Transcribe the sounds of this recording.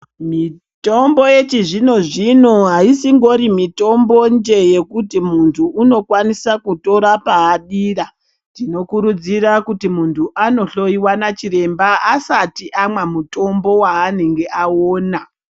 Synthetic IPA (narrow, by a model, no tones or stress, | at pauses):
mi | to̞mbo̞je̞t͡ʃiʐino̞ʐino̞ɦaisiŋɡo̞ɾimito̞mbo̞nd͡ʒe̞je̞kutimuntʰuːno̞kwanisakuto̞ɾapaːɗiːra | ntino̞kuɾud͡zirakutimuntʰuʔano̞ɬo̞iwanat͡ʃiɾe̞mbaasatiʔamwamuto̞mbo̞waːne̞ŋɡe̞ʔaoːna